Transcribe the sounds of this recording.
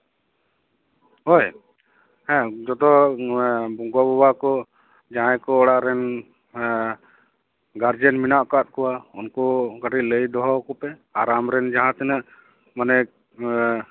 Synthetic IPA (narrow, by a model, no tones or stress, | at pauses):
ɦoj | ɛ̃d͡ʒɔd̪ɔ | bɔŋɡɔbɔbakɔ | d͡ʒaɦãjkɔːɽaʔɾɛn | ɡaɾd͡ʒɛnminaʔkat̪̚kɔwaunkɔɡaʈiʔləjd̪ɔɦɔkɔpɛaɾamɾɛnd͡ʒaɦãt̪ɛnaʔ | manɛ